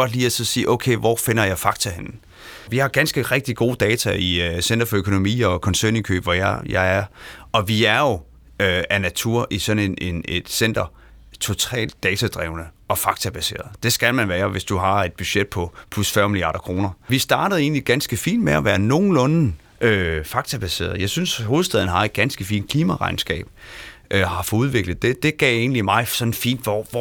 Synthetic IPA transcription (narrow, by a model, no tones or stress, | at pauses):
ɒ̽d̥liːæsɒ̽sḭːʔɔʊkʰeɪʋɒfe̝nɐjɑ̈ɪfɑ̈ɡ̥t͡sʰæhenn̩ | ʋihɑ̈ɡ̥ænsɡ̥əʁɛɡ̥̚d̥iɡ̥o̝̰ːd̥ɛːt͡sʰæisen̰d̥ɐfɒ̽økʰo̝no̝mḭːɒ̽kʰɒ̽nsøɐnikʰø̰ːb̥ʋɒjɑjɑ̈ɪæɐʔɒ̽ʋiæɐjo̝ | øænæt͡sʰuɐ̰ʔisɒ̽ne̝nʔe̝ne̝d̥sen̰d̥ɐ | t͡sʰo̝t͡sʰɛ̰ːld̥̚ːɛːt͡sʰæd̥ʁɛ̰ːʊnə | ɒ̽fɑ̈ɡ̥t͡sʰæb̥æse̝̰ːɐð̩ˠd̥e̝sɡ̥ælmænʋæːɐʋe̝sd̥uɦɑ̈e̝d̥̚b̥yɕed̥̚pʰɒ̽pʰlusfɶɐmilijɑ̰̈ːɾ̥ɐkʰʁo̝ːnɐʋisd̥ɑ̈ːɾ̥əð̩ˠe̝̰ːn̩liɡ̥ænsɡ̥əfḭːn̥meæʋæːɐno̝ːn̩lɔn̩ | ʔøfɑ̈ɡ̥t͡sʰæb̥æse̝̰ːɐ̰ð̞̩ˠjɑ̈ɪsynsho̝ːð̩ˠsd̥ɛð̞ˠn̩əɦɑ̈e̝d̥̚ɡ̥ænsɡ̥əfḭːn̥kʰliːmæʁɑ̈ɪnsɡ̥ɛ̰ːb̥ʔøhɑ̈fɒuð̞ˠʋe̝ɡ̥lð̩ˠd̥e̝d̥e̝ɡ̥ɛ̰ːe̝̰ːn̩limɑ̈ɪsɒ̽nn̩fḭːnd̥ʋɒɒ